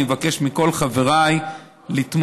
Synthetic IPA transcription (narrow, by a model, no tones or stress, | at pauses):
evake̞ʃmiko̞lχave̞ʁaj | lit̪m